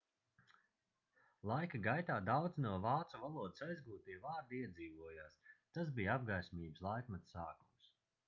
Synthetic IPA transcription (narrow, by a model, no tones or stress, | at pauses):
lˠajkaɡajt̪aːd̪awd̪znuɔvaːt̪suvalˠuɔd̪isajzɡuːt̪iːvaːɾd̪iiɛd̪ziːvuɔjaːst̪as̬bijab̚ɡajsʲmiːbslˠajkmat̪saːkums